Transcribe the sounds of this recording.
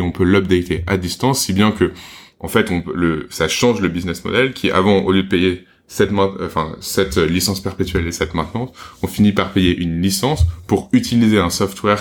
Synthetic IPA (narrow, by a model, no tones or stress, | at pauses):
eɔ̃pølɔb̚d̪ɛt̪ʰeʔad̪ist̪ɑ̃sːibjɛ̃kəʔɑ̰̃fɛt̪ɔ̃øləsaʃɑ̃ʒləbiznɛsmɔ̰d̪ɛlkʲʰiʔa̰vɑ̃o̰ljød̪əpeje | sɛt̪mɛ̃fɛ̃sɛt̪ølisɑ̃spɛʁpet̪ɥɛlesɛt̪mɛ̃t̪nɑ̃t̪ɔ̃finipaʁpejeʔynlisɑ̃spuʁyt̪ʰilizeɛ̃sɔft̪wɛʁ